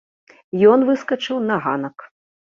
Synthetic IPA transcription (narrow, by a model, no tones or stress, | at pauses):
jɔnvɨskɐt͡ʂɨwnɐɣa̰nɐk